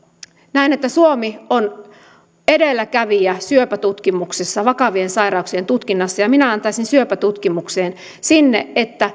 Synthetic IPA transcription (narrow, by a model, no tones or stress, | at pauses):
næinet̪ːæsuomion | e̞delːækæʋiæsyøpæt̪ut̪kimuksesːɑʋɑkɑʋiensɑiɾɑuksiet̪ut̪kinːɑsːɑjɑminæɑnt̪ɑisinsyøpæt̪ut̪kimukseːn | sinːeʔet̪ːæ